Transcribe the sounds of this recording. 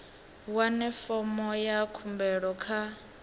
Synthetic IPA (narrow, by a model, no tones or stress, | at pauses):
wanɛfɔmɔjakʰumbɛɺɔkʰa